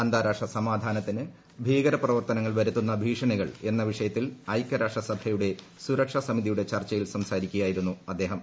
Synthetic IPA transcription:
ɐnd̪aːɾaːkʂɐsɐmaːd̪ʱaːnɐt̪ːinɨ | bʱiːɣɐɾɐprɐʋɐrt̪ɐnɐŋːɐɭʋɐɾut̪ːunːɐbʱiːʂɐɳiɣɐɭe̞nːɐʋiʂɐjɐt̪ːilɐjkːɐɾaːʂɐsɐbʱɐjuɽe̞ | suɾɐkʂɐsɐmiðijuɽe̞t͡ɕɐrt͡ɕɐjilsɐmsaːɾikʲːujaːjiɾunːuɐd̪ːe̞ːɦɐm

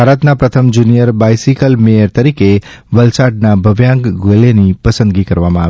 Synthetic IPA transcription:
bʱaɾət̪napɾət̪ʰəmd͡ʒunijəɾbajsikəlmejəɾt̪əɾike | ʋəlsaɖ̚nabʱəʋjãŋɡɡolenipəsə̃nd̪ɡikəɾʋamãaʋe

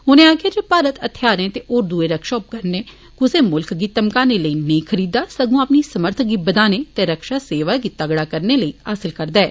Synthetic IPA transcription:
ɦʊnẽːaːkeːd͡ʒepaːɾət̪ət̪ʰjaːɾẽːt̪eʔoːɾd̪ueːɾəkʃaːʊp̚kəɾneː | kʊseːmʊlkɡiːt̪əmkãːneːləiːnəĩkʰəɾiːd̪aːsəɡõːapniːsəməɾt̪ʰɡiːbəd̪aːneːt̪ẽɾəkʃaːseːʋaːɡɪt̪ːaɡɽaːkəɾneːləiːɦaːsɪlkəɾd̪aːɛ̰ː

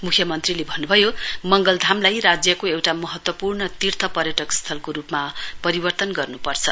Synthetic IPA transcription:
mukʰjʌmʌnt̪rilebʱʌnːubʱʌjomʌŋɡʌld̪ʱamlajrad͡zjʌkoewʈamʌɦʌt̪wʌpurnʌt̪irt̪ʰʌpʌrjʌʈʌkst̪ʰʌlkoɾupmapʌɾibʌrt̪ʌnɡʌrnupʌrt͡sʰʌ

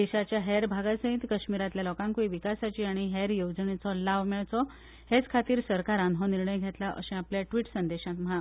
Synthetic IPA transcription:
d̪eɕat͡ɕjaɦɛɾbʱaɡasə̃ɦit̪kəɕmiɾat̪ljalɔkãŋkuiʋikasat͡ɕiːaɽ̃iɦɛɾjod͡znet͡sɔlaʋmɛɭt͡sɔ | het͡skʰat̪iːɾsəɾkaɾanɦɔniɾɳəjɡʱet̪laʔə̰ɕɛ̃apljaʈʋiːʈsənd̪eɕãt̪mɦã

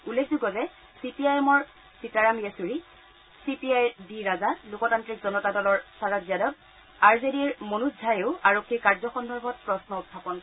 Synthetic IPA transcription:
ulːekʰzuɡɔzɛ | sipiajɛmɔɹ | sitaɹamesuɹi | sipiajdiɹazalukɔtantɹikzɔnɔtadɔlɔɹsaɹazjadɔt | aɹzediɹmonuzʱajeʊaɹokʰːikaɹzɔxɔndʱɔɹbʱɔt̚pɹɔsnɔustʰapɔn

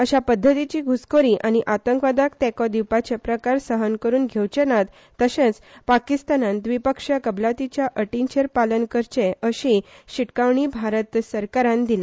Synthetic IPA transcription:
əɕapəd̪ʱːət̪it͡ɕiːɡʱuskoɾiʔañiʔat̪əŋkʋad̪akt̪ɛkɔd̪iwpat͡ɕepɾəkaɾsəɦənkəɾuːnɡʱewt͡ɕənat̪ːəɕẽt͡s | pakist̪anãnd̪ʋipəkʂakəblat̪it͡ɕjaʔəʈiɲt͡ɕeɾpalənkəɾt͡ɕeəɕiɕiʈkaʋɳibʱaɾət̪səɾkaɾãnd̪ile

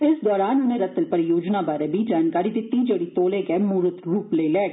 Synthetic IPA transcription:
ɪsd̪ɔːɾaːnʊnẽːɾət̪ːəlpəɾjoːd͡ʒnaːbaːɾeːbʱiːd͡ʒaːnkaːɾiːd̪ɪt̪ːid͡ʒeːɽiːt̪oːleːɡɛːmuːɾət̪ɾuːpleilɛː

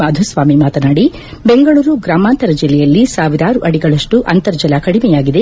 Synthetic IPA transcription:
aːd̪ʱusʋaːmimaːt̪ɐnaːɽi | beŋɡɐɭuːɾuɡɾaːmaːnt̪ɐɾɐd͡ʒilːɛjɐlːisaːʋiɾaːɾuʔɐɽiɡɐɭɐʂʈuʔɐnt̪ɐɾd͡ʒɐlakɐɽimɛjaːɡid̪e

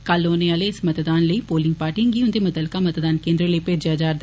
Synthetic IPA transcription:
kaːloːneːaːleːɪsmət̪d̪aːnləiːpoːlɪ̃ŋɡ̚paːʈɪ̃ŋɡiːʊnd̪eːmət̪əlkaːmət̪d̪aːnkẽːnd̪ɾõləipeːd͡ʒaːd͡ʒaːɾd̪

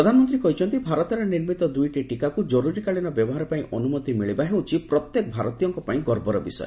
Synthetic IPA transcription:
ɾɔd̪ʱanɔmɔnt̪̬ɾikɔɦit͡ʃʰɔnt̪ibʱaɾɔt̪ɔɾeniɾmit̪ɔd̪ujʈiʈikakud͡ʒɔɾuɾikaɭinɔbjɔbɔɦaɾɔpaĩʔɔnumɔt̪imiɭibaɦewt͡ʃʰipɾɔt̪jekɔbʱaɾɔt̪ijɔŋkɔpaĩɡɔɾbɔɾɔbisɔ̰jḛ

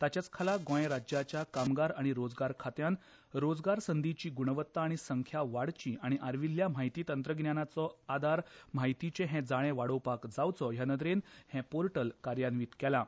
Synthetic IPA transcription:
t̪at͡ɕjat͡skʰalaɡõjẽɾad͡ʑjat͡ɕjakamɡaɾaɽ̃iɾod͡zɡaɾkʰat̪jãn | ɾod͡zɡaɾsənd̪ʱit͡ɕiːɡuɳ̃ʋət̪ːaːɽ̃isəŋkʰjaʋaɽt͡ɕiʔaɽ̃iʔaɾʋilːjam̤aɦjt̪iːt̪ənt̪ɾəɡnjanat͡sɔad̪ʱaɾm̤aɦijt̪it͡ɕẽɦɛ̃d͡zaɽ̃ẽʋaɽəwpakd͡zawt͡sɔɦjanəd̪ɾenhɛ̃poɾʈəlkaɾjanʋiːt̪kɛla

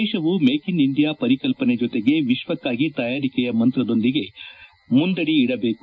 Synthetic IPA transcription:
ɛːʃɐʋumeːkiniɳɖijaːpɐɾikɐlpɐned͡ʒot̪eɡe̞ʋiʃʋɐkːaːɡit̪ɐjaːɾikɛjɐmɐnt̪ɾɐd̪o̞nd̪iɡe̞ | mund̪ɐɽiːɽɐbe̞ːku

